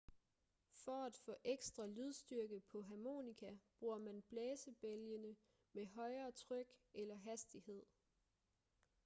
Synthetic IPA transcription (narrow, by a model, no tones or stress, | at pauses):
fɒ̽æd̥fɔ̰̽ːʔeɡ̥sd̥ʁɐlyð̞ˠsd̥yɐɡ̥əpʰɒ̽ɦɑmo̝̰ːnikʰæb̥ʁuɐmænb̥lɛːsəb̥eljənə | meɦɒ̽ɪɐːt͡sʰʁœɡ̥elɐɦæsd̥ihe̝ð̞̰ˠ